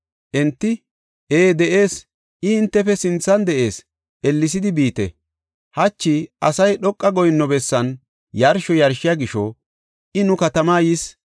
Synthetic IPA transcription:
ʔɛnt̪ːɪ | eːd̪ɛʔe̞ːs | ɪːnt̪ːɛfɛsɪnt͡sːɐnd̪ɛʔe̞ːs | ɛlːɪs̬ɪd̪ɪbiːt̪ɛ̰ | hɐt͡ʃːɪʔɐsɐjɗɔkʼːɐɡɔjnːɔbɛsːɐn | jɐɾʃɔjɐɾʃɪjaɡɪʃɔ̰ | ʔɪnʊkɐt̪ɐmaːjɪs

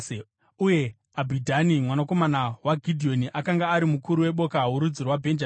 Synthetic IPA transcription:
uje̞ | abʱidʱanimwanako̞manawaɡʱidʱio̞niʔakaŋɡaːɾimukuɾuwe̞ɓo̞kawuɾud͡zirwabʱend͡ʒam

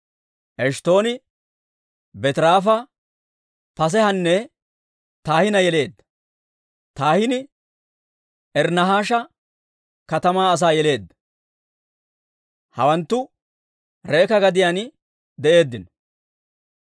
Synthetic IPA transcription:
ʔɛʃt̪o̞ːnɪ | bɛt̪ɪɾaːfɐ | pɐs̬ɛhɐnːɛ | t̪aːhɪnɐjɛle̞ːd̪ːɐ̥ | t̪aːhɪnɪ | ʔɛɾnɐɦaːʃɐ | kɐt̪ɐmaːɐs̬aːjɛle̞ːd̪ːɐ | hɐ̰wɐnt̪ːʊ | ɾe̞ːkɐɡɐd̪ɪjan | d̪ɛʔe̞ːd̪ːɪn

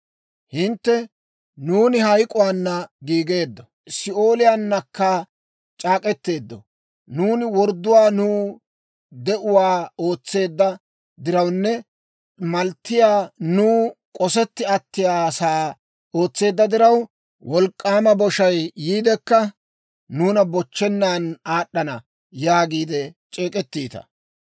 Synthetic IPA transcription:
hɪnt̪ːɛ | nuːnɪhɐjkʼʊwaːnːɐɡiːɡe̞ːd̪ːɔ | sɪʔo̞ːlɪjanːɐkːɐ | t͡ʃʼaːkʼɛt̪ːe̞ːd̪ːɔ̰ | nuːnɪwɔɾd̪ːʊwaːnuː | d̪ɛʔʊwaːo̞ːt͡sːe̞ːd̪ːɐ | d̪ɪɾɐwnːɛ | mɐlt̪ːɪjaːnuːkʼɔsɛt̪ːɪɐt̪ːɪjaːsaː | o̞ːt͡sːe̞ːd̪ːɐd̪ɪɾɐw | wʔɔlkʼːaːmɐbɔʃɐjːiːd̪ɛkːɐ | nuːnɐbɔt͡ʃːɛnːaːnaːɗːɐnɐ | jaːɡiːd̪ɛt͡ʃʼe̞ːkʼɛt̪ːiːt̪ɐ̰

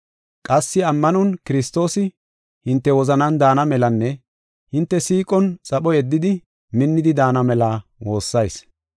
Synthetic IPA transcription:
kʼɐsːɪɐmːɐnɔnkɪɾɪs̬t̪o̞ːsɪ | hɪnt̪ːɛwɔzɐnɐnd̪aːnɐmɛlɐnːɛ | hɪnt̪ːɛsiːkʼɔnt͡sʼɐɓɔjɛd̪ːɪd̪ɪ | mɪnːɪd̪ɪd̪aːnɐmɛlaːwo̞ːsːɐjs

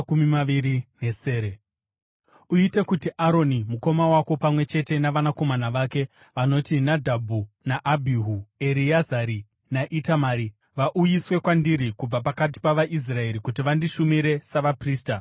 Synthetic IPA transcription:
kumimaʋiɾine̞se̞ːɾe | uite̞kutiʔaɾo̞nimuko̞mawako̞pamwe̞t͡ʃe̞te̞naʋanako̞manaʋaːke̞ | ʋano̞tinadʱabʱu | naʔabʱiɦueɾiazaɾi | naʔitamaːɾi | ʋaʔujiswe̞kwandiɾikub͡vapakat̬i̥paʋaʔis̬rae̞ɾikut̬iʋandiʃumiɾe̞saʋapriːsta

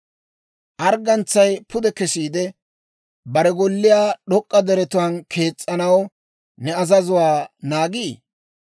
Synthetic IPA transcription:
ʔɐɾɡɐnt͡sːɐjpʊd̪ɛkɛsiːd̪ɛ | bɐɾɛɡɔlːɪjaːɗɔkʼːɐd̪ɛɾɛt̪ʊwɐnkʰe̞ːt͡sʼːɐnɐw | nɛɐzɐzʊwaːnaːɡiː

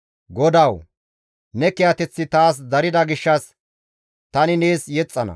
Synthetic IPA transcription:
ɡɔd̪ɐw | nɛkɪjɐt̪ɛt͡sːɪt̪aːs̬d̪ɐɾɪd̪ɐɡɪʃːɐs | t̪ɐnɪne̞ːsjɛt͡sʼːɐnɐ̰

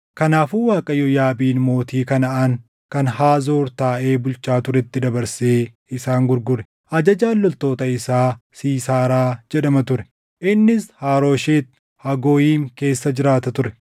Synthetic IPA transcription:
kɐnaːfuːwaːkʼɐjɔjaːbiːnmo̞ːt̪iːkɐnɐʔɐŋ | kɐnhaːzo̞ːɾt̪aːʔeːbʊlt͡ʃːaːt̪ʊɾɛt̪ːɪd̪ɐbɐɾseː | ɪsaːŋɡʊɾɡʊɾɛ | ʔɐd͡ʒɐd͡ʒaːlːɔlt̪o̞ːt̪ɐɪsaːsiːsaːɾaːd͡ʒɛɗɐmɐt̪ʊɾɛ | ʔɪnːɪshaːɾo̞ːʃeːt̪ːɪ̥ | hɐɡo̞ːjiːŋke̞ːsːɐd͡ʒɪɾaːt̪ɐt̪ʊɾɛ

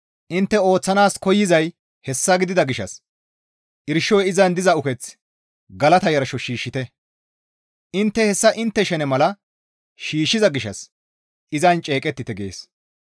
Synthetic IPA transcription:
ʔɪnt̪ːɛo̞ːt͡sːɐnaːskɔjːɪzɐj | hɛsːɐɡɪd̪ɪd̪ɐɡɪʃːɐ̰s | ʔɪɾʃːɔjɪzɐnd̪ɪzɐʊkɛt͡s | ɡɐlɐt̪ɐjɐɾʃɔʃiːʃːɪt̪ɛ | ʔɪnt̪ːɛhɛsːɐʔɪnt̪ːɛʃɛnɛmɐlɐ | ʃiːʃːɪzɐɡɪʃːɐ̰s | ʔɪzɐnt͡ʃʼe̞ːkʼɛt̪ːɪt̪ɛɡe̞̰ːs

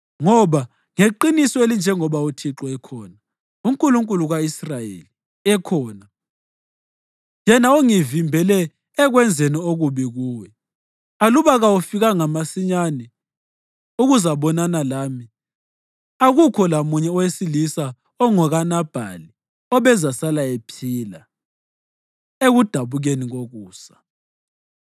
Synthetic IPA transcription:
ŋɔβa | ŋeǃinisɔelind͡ʒʱɛŋɔβautʰiǁɔɛkʰɔːna | uŋkʼuluŋkʼuluɣaisrajḛli | ɛkʰɔːna | jɛnaoŋivimbʱɛlɛː | ɣwɛnd͡zʱenioɣuβiɣuːwɛ | aluβaɣawufiɣaŋamasiɲanɛ | uɣuzaβɔnanalaːmi | aɣukʰɔlamuɲɛɔwesilisa | ɔŋɔɣanab̥ʱa̰li | ɔβɛzasalaepʰiːla̰ | eɣud̥ʱaβuɣeniɣoɣuːsḁ

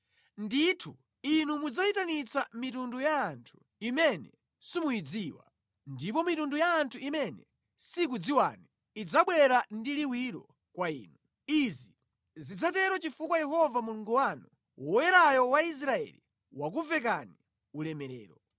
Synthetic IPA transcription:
nditʰu | inumud͡zaitanit͡samitundujaːntʰu̥ | imɛnɛ | simujid͡ziːwa̰ | ndipɔmitundujaːntʰuimɛnɛ | sik̬ud͡ziwa̰ːnɛ | id͡zaɓwɛɾandiliwiɾɔ̰ | kwaḭːnu | izi | zid͡zatɛɾwɔt͡ʃifukwajɛhɔvamuluŋɡuwanu | wɔjɛɾajɔwais̬ɾaɛ̰li | wak̬uvɛkani | ulɛmɛɾɛ̰ːɾɔ

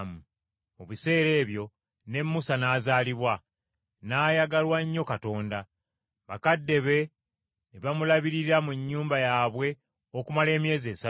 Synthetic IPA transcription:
mu | oβise̞ːɾe̞ːβjo̞ | ne̞mːusanaːzaːliβwa | naːjaɡalwaɲːo̞kato̞ːnda | βakadːe̞βe̞ | neβamulaβiɾiɾamuɲːuːmbajaːβwe̞ | okumale̞ːmje̞ːze̞ːsa

